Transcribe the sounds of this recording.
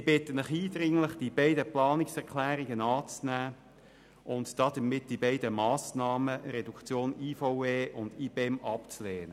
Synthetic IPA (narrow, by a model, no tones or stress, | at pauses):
ɪbɪtːənɪχiːdɾɪŋlɪχd̥ibɛɪdəplɑːnɪksɛʁkʰlæːɾɪɡənɑːt͡snæː | ʔʊntd̥ɑd̥əmɪt̚d̥ibɛɪdəmɑːsnɑːməɾɛdukt͡sjoːniːfaʊeːʔʊnd̪iːbeɛmɑpt͡sleːnə